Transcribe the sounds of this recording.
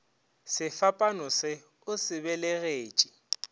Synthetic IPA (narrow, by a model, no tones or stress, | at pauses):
sɪfapʼanʊsɪ | ʊsɪbɛlɛɣeːt͡ʃʼi̥